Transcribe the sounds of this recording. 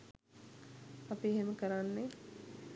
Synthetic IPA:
apiɦeməkəɾanːe

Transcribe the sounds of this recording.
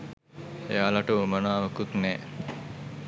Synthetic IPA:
ejaːlaʈəumənaːʋɐkut̪nɛː

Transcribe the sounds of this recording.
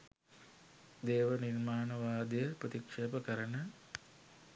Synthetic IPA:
d̪eːʋənirmaːnɐʋaːd̪jəpɾət̪ikʂeːpəkɐɾənə

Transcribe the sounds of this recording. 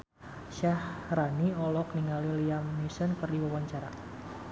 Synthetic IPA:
ʃahraniɔlɔk̚niŋaliliamːusənkɨrdiwawaɲt͡ʃaɾa̰

